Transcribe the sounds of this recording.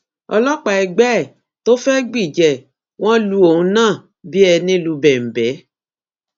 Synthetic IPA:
ɔ̰˧lɔ˦k͡pa˨ɛ˧ɡ͡bɛ˦˨ | to˦fɛ˦ɡ͡bi˦˨d͡ʒɛ˨ | w̃ɔ̃˦lu˧˦o˨ũ˨˦nãː˦˨ | bi˦ɛ˧nĩ˦lu˧˦bɛ˨m̩˨bɛ˨˦

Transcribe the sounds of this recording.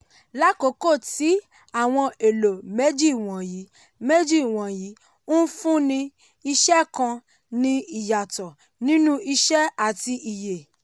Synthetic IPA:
la˦ko˨˦ko˦˨ti˨˦ | a˦˨w̃ɔ̃˧e˨lo˨me˦d͡ʒi˦˨w̃ɔ̃˨ji˨˦ | me˦d͡ʒi˦˨w̃ɔ̃˨ji˨˦ | u˦fũ˦nĩ˧ | i˧ʃɛ˦kã˧ | nĩ˧i˨ja˨tɔ˨ | nĩ˦nũ˦ʔi˧ʃɛ˦a˨ti˧ʔi˨je˨

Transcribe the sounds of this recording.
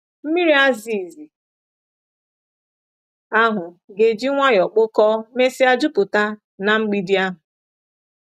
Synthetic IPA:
m̩˦mi˦ɾi˦a˦zi˨zi˨ | a˦ɦʊ˨ | ɡe˨d͡ʒi˦ŋʷa˦jɔ˨k͡pʊ˦kɔ˦me˦si˦a˦d͡ʒu˦pʊ˨ta˦ | na˨ŋ͡m̩˦ɡ͡bi˦di˦a˦ɦʊ˨

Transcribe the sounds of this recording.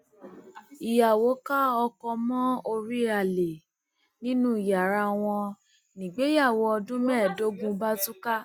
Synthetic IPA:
i˨ja˨wo˨˦ka˦ɔ˧kɔ˧mɔ̃˦o˧ɾi˦ɾa˧˨le˨ | nĩ˦nũ˦i˨ja˨ɾa˧w̃ɔ̃˧ | nĩ˨ɡ͡be˨˦ja˦˨wɔ˧˦ɔ˧dũ˦mɛ̃˦˨do˨˦ɡũ˧ba˦tu˦ka˦

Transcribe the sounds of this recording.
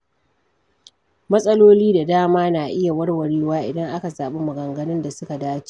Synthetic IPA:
mɐ˦sʼɐ˦loː˦liː˦da˨daː˦maː˦naː˨ʔɪ˦ja˨wɐ˦rwɐ˨ɽiː˦waː˦ʔɪ̰˨dɐ˦ŋʔa˦ka˨zaː˨ɓe˦mʊ˨ɡɐ˨ŋɡɐ˦nɪ˦nda˨sʊ˦ka˨daː˦t͡ʃi̥˦˨

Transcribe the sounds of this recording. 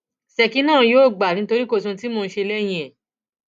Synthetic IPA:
sɛ˨ki˨˦nãː˦˨˧joː˦˨ɡ͡ba˨nĩ˨˦to˧ɾi˦ko˧tũ˧ti˦moː˧ñ̩˧˦ʃe˧lɛ˦j̃ĩ˧˨ɛ˨

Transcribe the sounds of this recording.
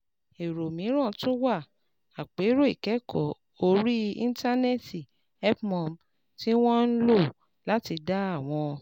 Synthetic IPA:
e˨ɾo˨mĩ˨˦ɾ̃ã˦˨tũ˦wa˦˨ | a˨k͡pe˨˦ɾo˦i˨kɛ˨˦kʰɔ˨ | o˧ɾi˦ĩ˦n̩˦ta˦nɛ˦ti˨ | ɛ˦pmɔ̃˧˨m | ti˦w̃ɔ̃˦n̩˦lo˦˨ | la˦ti˧da˦a˦˨w̃ɔ̃˧

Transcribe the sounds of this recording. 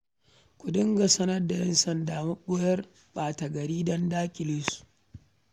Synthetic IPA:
kʷʊ˨dɪ˦ŋɡa˨sɐ˦nɐ˦rda˨jɛ˦nsɐ˦ndaː˨mɐ˦ɓʊ˦jɐ˦r | baː˨tɐ˨ɡɐ˨ɾiː˦dɔ˦ndaː˦kʲʼɪ˨lɪ˦su̥˨ʔ

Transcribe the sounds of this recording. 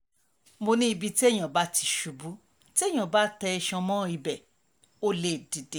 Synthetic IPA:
mo˧nĩ˦i˧bi˧ti˦ɛ˦˨j̃ã˨ba˦ti˧ʃu˨bu˨˦ | ti˦ɛ˦˨j̃ã˨ba˨˦tɛ˧ɛ˧ʃã˧mɔ̃˦i˧bɛ˨ | o˦˨le˦˨di˨de˨˦

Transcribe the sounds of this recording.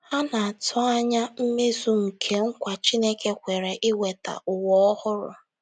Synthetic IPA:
ha˦na˨a˨tʰʊ˦a˦ɲa˦m̩˦me˦zu˨ŋ̩˨kʰe˦ŋ̩˦kʷa˨t͡ʃi˦ne˦ke˦kʷe˨ɾe˨ʔɪ˦we˨ta̰˨ʊ˨wɔ˦ɔ˦hʊ˦ɾʊ̰˨

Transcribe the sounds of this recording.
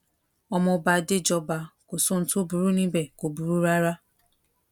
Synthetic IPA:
ɔ˦mʊ˨ba˨dɪ˦d͡ʒɔ˨ba˨ko˨so˦n̩˨tʊ˦bu˨ɾu˦nĩ˦be˨ko˨bu˨ɾu˦ɾa˦ɾa˦

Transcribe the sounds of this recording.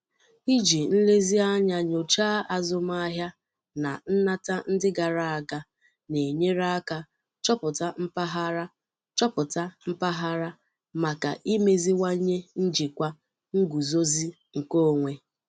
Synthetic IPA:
i˦d͡ʒi˨n̩˦le˦zi˦a˦ɲa˨ɲo˨t͡ʃaː˦a˨zʊ˦m˦a˦ɦja˦ | na̰˨n̩˦na˦ta˦n̩˦dɪ˦ɡa˨ɾa˨a˨ɡa˨ | ne˨ɲe˦ɾa˦ka˨ | t͡ʃɔ˦pʊ˨ta˦m̩˦pa˦ɦa˦ɾa˦ | t͡ʃɔ˦pʊ˨ta˦m̩˦pa˦ɦa˦ɾa˦ | ma˨ka̰˨ʔi˦me˦zi˦wa˦ɲe˦n̩˦d͡ʒi˨kʷa˦ | ŋ̩˦ɡu˨zo˦zi˦ | ŋ̩˨ko˦˨ŋʷe˨

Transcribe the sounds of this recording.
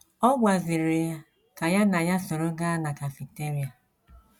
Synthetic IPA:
ɔ˦ɡʷa˨zɪ˨ɾe˨a˨ | ka˨ja˦na˨ja˦sɔ˨ɾo˦ɡa˦na˨ka˨fi˨k̚te˦ɾi˨a˨

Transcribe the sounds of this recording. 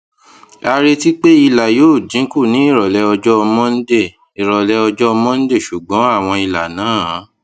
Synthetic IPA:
a˧ɾe˧ti˦k͡pe˦i˧la˨joː˦˨d͡ʒĩ˨˦ku˦˨nĩ˨˦i˦˨ɾɔ˨lɛ˧ɔ˧d͡ʒɔ˦ɔ˧mɔ̃˦n̩˦de˦˨ | i˨ɾɔ˨lɛ˧˦ɔ˧d͡ʒɔ˦ɔ˧mɔ̃˦n̩˦de˦˨ʃu˨ɡ͡bɔ̃˨˦a˦˨w̃ɔ̃˧i˧la˨nãː˨˦˨

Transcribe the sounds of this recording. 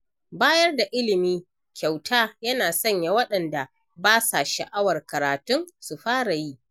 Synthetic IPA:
baː˦jɐ˦rda˨ʔɪ˦lɪ˨miː˦ | kʲa˨wtʰaː˦jɐ˦naː˨sɐ˦˨ɲja˨wɐ˦ɗɐ˨nda˨ | baː˦sa˨ʃɐ̰˨ʔa˦wɐ˨rkɐ˨ɾaː˨tʊ˦ŋsu˨ɸaː˦ɽa˨ji˦ʔ

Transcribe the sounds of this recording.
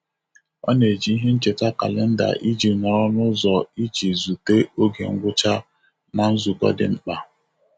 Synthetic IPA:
ɔ̰˦ne˨d͡ʒi˨i˦ɦe˦n̩˦t͡ʃe˨ta˦ka̰˨lɪ˦n̩˦da̰˨ʔi˦d͡ʒi˨nɔ˨ɾɔ˦nʊ˦zɔ˨i˦d͡ʒi˨zu˨te˦o˦ɡe˨ŋ̩˦ɡʷʊ˦t͡ʃa˦ | na˨n̩˦zu˨kɔ̰˦dɪ̰˨ŋ͡m̩˦k͡pa˨

